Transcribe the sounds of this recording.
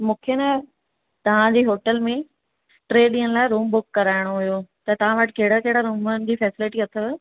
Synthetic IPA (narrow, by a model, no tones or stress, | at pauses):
mũːkʰenɐ | t̪ɐʋ̤ãd͡ʑeːɦoːʈəlmẽ | ʈɾeːɗĩːəñlaːɪɾuːmbʊkːɐɾaːɪɽ̃oɦʊjot̪ɐt̪ɐʋ̤ãʋɐʈʰɪ̥̆kɐɦɪɽakɐɦɪɽaɾuːmənɪ̆d͡ʑiːfɛːsɪlɪʈiɐt̪ʰə